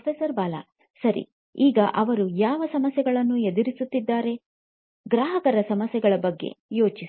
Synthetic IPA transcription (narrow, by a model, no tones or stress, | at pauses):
pʰesɐɾbaːla̰ː | sɐɾḭ | iːɡɐʔɐʋɐɾujaːʋɐsɐmɐsjɛɡɐɭɐnːued̪uɾisut̪ːid̪ːaːɾe̞ | ɡɾaːɦɐkɐɾɐsɐmɐsjɛɡɐɭɐbɐɡːe̞̰jo̞ːt͡ʃi